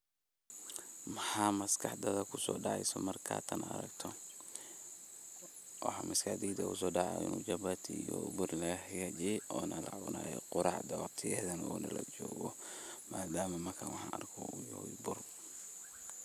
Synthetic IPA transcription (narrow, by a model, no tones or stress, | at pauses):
mɐħaːmɐskʰɑħd̪ɐðɐkʰʊsɔːɖɑʕɑjsɔmɐrkʰa̰ːt̪ʰɐnɐɾɐ̰ɡt̪ʰɔ | wɑħɑmʔɐskɐħd̪id̪ɐkʊsɔːɖɑʕjɪ̰nuːd͡ʒɐbat̪ʰijɔ̰bʊrlɐɣɐħɪɣɐd͡ʒʔɔːnʔɐlaʊnaːjɔ̰qʊɾɑʕd̪ɐwɑqt̪ʰɪjɛːðɐnɐɔːnɐlɐd͡ʒɔːɣɔmaːd̪aːmɐmɐrkʰawɑħɑːɐrkʰɔʊjɔḭbʊr